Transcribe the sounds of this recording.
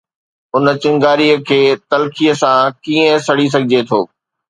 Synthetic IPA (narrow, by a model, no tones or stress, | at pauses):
ʊnə̆t͡ɕɪ̃ŋɡaːɾiəkʰeːt̪ɐlkʰijəsãkiːə̃sɐɽ̤is̬ɐɡʱɪd͡ʑet̪ʰoː